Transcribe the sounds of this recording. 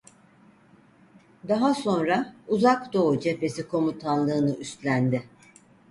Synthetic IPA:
d̪aɦaso̞nɾauzakd̪o̞ud͡ʒe̞pe̞sikʰo̞mut̪ʰanlːˠɯːnɯʔyst̪lʲænd̪ɪ

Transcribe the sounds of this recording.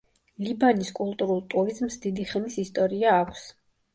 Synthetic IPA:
libaniskʼulˠt̪ʼuɾulˠt̪ʼuɾizmsd̪id̪iχɛmisist̪ʼɔɾiaːkʷʰs

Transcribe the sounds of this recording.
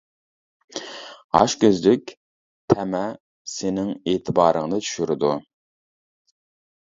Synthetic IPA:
ɑ̰ʃkʲøzlɪkʲ | t̪ʰɛmɛ | sɪnɪŋeːt̪ʰɪbɑːɾəŋnɨt͡ʃʰy̥ʃyɾɪd̪u

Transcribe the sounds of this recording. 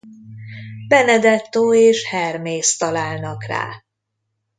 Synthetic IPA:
bɛnɛd̪ɛt̪ːoːeːʃhɛrmeːst̪ɒlaːlnɒkra̰ː

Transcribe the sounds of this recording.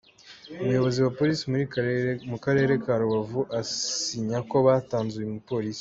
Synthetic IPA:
uβujo̞βo̞ziwapo̞ɾisimuɾimukaɾe̞ɾe̞kaɾuβavuʔasiɲako̞βaːtaːnzujemupo̞ːɾisi̥

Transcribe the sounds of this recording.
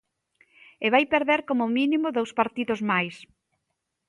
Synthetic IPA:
eβajpeɾðeɾkomʊminimʊðowspaɾt̪iðʊzmajs

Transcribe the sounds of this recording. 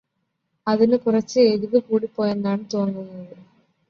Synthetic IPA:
ɐðɪnɯkʊrɐt͡ʃːɨeðɯʋɯkuːɽipːoːjɐnd̪aːɳɯt̪oːnd̪ɯnːɐðɯ

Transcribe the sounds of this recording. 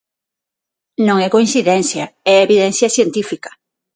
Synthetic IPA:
nõŋɛkoĩnsiðɛnθjɐɛeβiðɛnθjɐsjent̪ifikɐ̥

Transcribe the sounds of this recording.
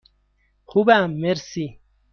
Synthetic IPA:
xubamːeɾsi

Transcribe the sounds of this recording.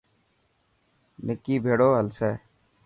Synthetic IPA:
nɪkːiːbʱeːɽoːɦəlseː

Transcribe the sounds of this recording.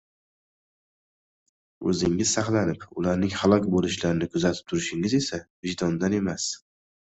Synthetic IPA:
ɵ̰zɪŋɪzsaχlˠanɪpʊlaɾnɪŋhalˠɒkʲbolɪʃlaɾɪnɪkʰʊzat̪ʰɪ̥p̚t̪ʰʊɾɪʃɪŋɪze̞savɪʒd̪ɒnd̪ane̞mas

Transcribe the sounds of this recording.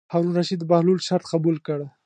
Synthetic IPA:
haɾunɾaʃid̪bahlulʃaɾt̪qabulkəɽ

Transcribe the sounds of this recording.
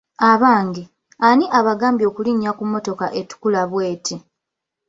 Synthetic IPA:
aβaːŋɡi | aniʔaβaɡaːmbjo̞ːkuliɲːakumːo̞to̞ka̰ʔe̞tu̥kulaβwe̞ːtʰi

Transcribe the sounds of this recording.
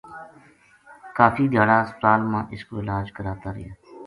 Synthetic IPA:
kaːfiːd̪ʱjaːɽaːspt̪aːlmãːʔɪskoːɪlaːd͡ʒkəɾaːt̪aːɾɪ̰jaː

